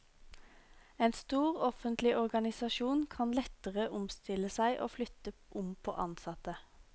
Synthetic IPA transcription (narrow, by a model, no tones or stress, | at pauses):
eːnst̪uːʁɔfənt̪lɪʔɔʁɡɑnɪsɑʃuːnkʰɑnlɛt̪əʁəʔʊmst̪ɪləsæɪʔo̰ːflʏt̪əʔʊmpʰo̰ːʔɑnsɑt̪ə